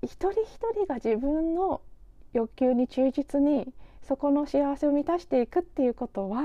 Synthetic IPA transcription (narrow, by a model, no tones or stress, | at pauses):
çi̥t̪o̞ɾʲiçi̥t̪o̞ɾʲiɡad͡ʑibɯ̟̃nːo̞jo̞kʲɨːɲ̟it͡ɕɨːd͡ʑit͡sɨɲ̟iso̞ko̞no̞ɕiaβase̞o̞mʲit̪aɕi̥t̪e̞ikɯ̟t̪ːe̞jɯ̟ko̞t̪o̞βa